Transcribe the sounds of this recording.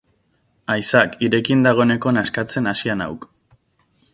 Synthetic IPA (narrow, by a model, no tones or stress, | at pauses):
ajsakiɾe̞kind̪aɣ̞o̞ene̞ko̞naskat͡se̞nasiana̰wk